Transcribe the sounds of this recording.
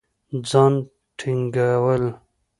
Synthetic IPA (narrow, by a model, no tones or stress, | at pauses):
d͡zɑn | ʈʰiŋɡawəl